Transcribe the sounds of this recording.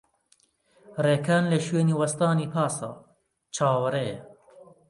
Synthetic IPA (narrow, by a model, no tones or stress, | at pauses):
reːkʰaːnleʃweːniːwɐst̪aːniːpʰaːsa̰ː | t͡ʃʰaːwɐɾe